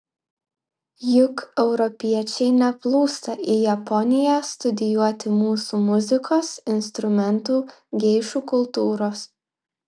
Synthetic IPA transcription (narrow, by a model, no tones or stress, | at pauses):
jʊkɛʊɾɔpʲiɛt͡ʃʲɛɪnʲɛplˠuːst̪ɐʔiːjɛpɔnʲɪjæːst̪ʊd̪ʲɪjuɔt̪ʲɪmuːsuːmʊzʲɪkʰoːsɪnst̪ɾʊmʲɛnt̪uː | ɡʲɛɪʃuːkʊlˠt̪uːɾoːs